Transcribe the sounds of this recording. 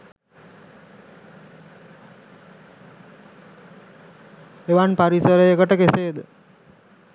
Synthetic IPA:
eʋanpaɾisəɾəjəkəʈəkeseːd̪ə

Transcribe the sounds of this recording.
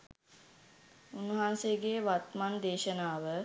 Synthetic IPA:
unːuɦaːnseɡeːʋat̪mand̪eːʃənaːʋə

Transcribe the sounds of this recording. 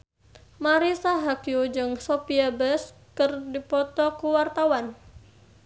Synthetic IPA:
maɾisaɦakjud͡ʒɨŋsopiabəskɨrdipɔt̪ɔkuwart̪awan

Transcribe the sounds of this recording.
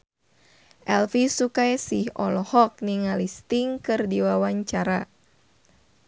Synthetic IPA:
ʔɛlfisukajsihɔlɔhɔk̚niŋalist̪iŋkɨrdiwawaɲt͡ʃaɾa

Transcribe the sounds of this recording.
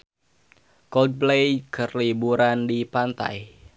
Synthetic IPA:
kɔld̚plejkərlibuɾandipant̪a̰j

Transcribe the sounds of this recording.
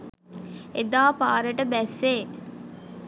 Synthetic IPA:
ed̪aːpaːɾəʈəbɛsːe

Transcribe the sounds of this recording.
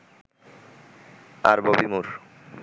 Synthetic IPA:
aɾbobimuɾ

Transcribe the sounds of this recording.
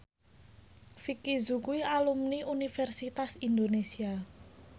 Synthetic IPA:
fikizukuialumniʔunifɛrsit̪asind̪onesia

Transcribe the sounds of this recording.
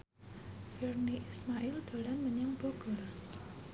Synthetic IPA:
firniʔismaʔɪld̪̥o̤lanməɲəŋb̥oɡ̥ɔr

